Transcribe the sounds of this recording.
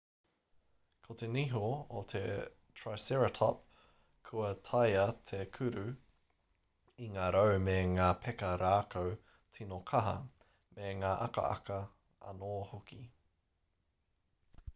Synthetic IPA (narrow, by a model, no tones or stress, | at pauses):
kʰot̪eniɦoot̪ʰe | tʰɹajsɛɹɐtʰɑp̚ | kʰuɐt̪ʰɐjɐt̪ʰekʰʉɾʉ | iŋaːɾowmeŋaːpʰɛkɐɾaːkow | tʰinokʰɐɦɐ̰ | meŋaːʔɐkɐ̰ɐ̰kɐ | ɐ̰noːhoki